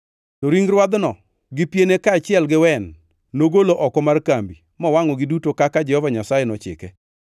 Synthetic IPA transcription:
tɔɾiŋɾwad̪nɔ | ɡɪpjenekaːt͡ʃɪɛlɡɪwɛnː | oɡoloʔɔkɔmarkambi | mɔwaŋɔɡɪdutokakad͡ʒɛhɔvaɲasajenɔt͡ʃɪ̰kɛ

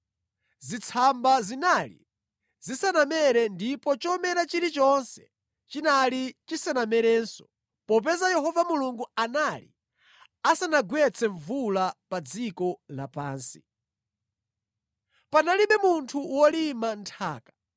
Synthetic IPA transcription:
zit͡sʰambazinalḭ | zisanamɛɾɛndipɔt͡ʃɔmɛɾat͡ʃiɾit͡ʃɔnsɛ̥ | t͡ʃinalit͡ʃisanamɛɾɛːnsɔ̥̰ | pɔp̬ɛzajɛhɔvamuluŋɡuanalḭ | asanaɡwɛt͡sʰɛɱvulapad͡zikɔlapa̰ːnsi̥ | panaliɓɛmuntʰuwɔlimantʰa̰ːkḁ

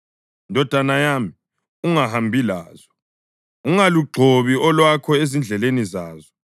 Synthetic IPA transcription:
ndʱɔd̥ʱanajaːmi | uŋaɦambʱila̰ːzɔ | uŋaluɡ͡ǀʱoβiɔlwakʰɔezind͡ɮʱɛlenizaːzɔ

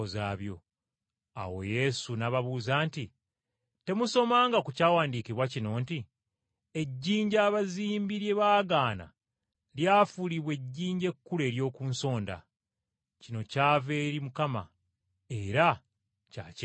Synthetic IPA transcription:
ozaːβjo̞̰ | a̰wo̞̰je̞sunaβaβuːzaːnti | te̞muso̞maːŋɡakucaːwaːndiːkiβwacino̞ːnti | e̞ɟːiːɲɟaːβaziːmbiɾje̞βaːɡaːna̰ | ljaːfuliβwe̞ɟːiːɲɟe̞kːule̞ːɾjo̞ːkuːnso̞ːnda̰ | cino̞caːve̞ːɾimukama̰ | e̞ɾa | ca̰ːt͡ʃ

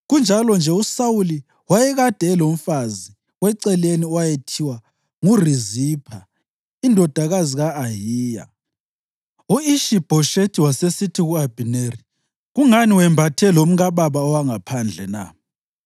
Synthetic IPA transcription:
ɣund͡ʒʱalɔnd͡ʒʱɛusawuli | wajɛɣad̥ʱɛːlom̩fazi | ɣwɛǀɛleniwajetʰiwa | ŋurizipʰa | indʱɔd̥ʱaɣaziɣaːɦiːja̰ | uiʃib̥ʱɔʃetʰiwasesitʰiɣuab̥ʱineri | ɣuŋaniwɛmbʱatʰɛlom̩ɣaβaβaɔwaŋapʰand͡ɮʱɛna̰

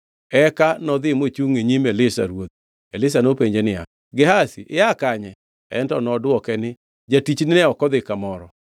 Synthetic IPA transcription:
ɛkanɔd̪ɪmot͡ʃuŋeɲimɛlɪsa̰ɾwot̪̚ | elɪs̬anopeɲd͡ʒenɪa̰ | ɡɪɦasḭʔɪakaɲɛ | ɛ̰ntɔnɔdwɔkɛnɪ | d͡ʒatit͡ʃnɪnɛɔkɔd̪ɪkamɔɾɔ̰

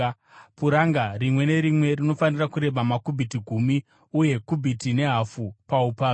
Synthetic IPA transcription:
puɾaŋɡarimwe̞ne̞ɾimwe̞rino̞fanirakuɾe̞ɓamakubʱitiɡʱumi | uje̞kubʱitine̞ɦafupaupaː

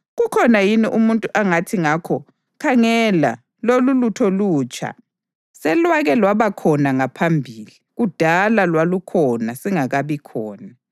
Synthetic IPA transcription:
ɣukʰɔnajiniʔumuntʼuʔaŋatʰiŋakʰɔ | kʰaŋɛla̰ | lolulutʰɔluːt͡ʃʰʼa̰ | sɛlwaɣɛlwaβakʰɔnaŋapʰambʱiːliɣud̥ʱalalwalukʰɔnasiŋaɣaβikʰɔːna

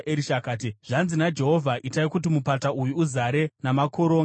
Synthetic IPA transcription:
ʔeɾiʃakaːt̬iʐ̥anzinad͡ʒe̞ɦo̞vʱaʔitaikutimupataʔujuːzaɾe̞namakʰoɾo̞ːŋɡ

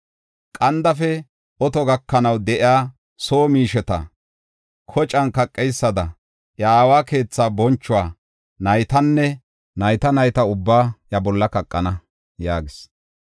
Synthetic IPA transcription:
kʼɐnd̪ɐfɛ | ɔt̪ɔɡɐkːɐnɐwd̪ɛʔɪaː | soːmiːʃɛt̪ɐ̰ | kʰɔt͡ʃʼɐnkɐkʼːɛjsːɐd̪ɐ | ʔjaːwaːke̞ːt͡sːaːbɔnt͡ʃːʊwaː | nɐjt̪ɐnːɛ | nɐjt̪ɐnɐjt̪ɐʊbːaːjɐbɔlːɐkɐkʼːɐnɐ | jaːɡɪs

